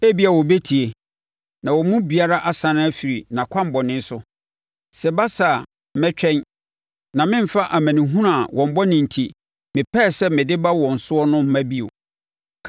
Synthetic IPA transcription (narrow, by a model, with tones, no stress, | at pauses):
e˦bi˦a˨wɔ˨be˦tʰi˨e˨ | nã˨wɔ˨mũ˦bi˨a˦ɾa˦ʔa˨sã˨nʊ̃˦æ˦fi˨ɾi˨nã˨kʷʰã˦m̩˨bɔ˨nɪ̃˦n˦sʊ˦ | sɛ˨ba˦sa˨ | m˨mɛ̃˦t͡ɕᶣɛ̃˦n | nã˨mɪ̃˦m̩˨fa˦ʔa˨mæ̃˨nĩ˨ɦũ˦na˨wʔɔ̃˨m̩˨bɔ˦nɪ̃˨n̩˨tʰi˦ | mɪ̃˨pʰɛ˦˨sɛ˦mɪ̃˨dɪ˦ba˦wɔ̃˨n̩˨sʊ˦ɔ˦nʊ̃˦m̩˨mæ̃˦bi˦o̰˨ | kʰ